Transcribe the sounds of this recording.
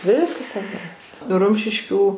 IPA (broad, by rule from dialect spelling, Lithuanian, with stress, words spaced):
ˈʋʲɪskɐs tʲɛn nʊ ˈrʊmʲʃʲɪʃʲkʲuː